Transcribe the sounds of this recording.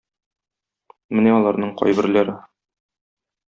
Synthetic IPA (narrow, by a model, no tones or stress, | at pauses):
mɘnæɒlˠɑɾnɤɴqʰɒ̰jbɘ̆ɾlæɾɘ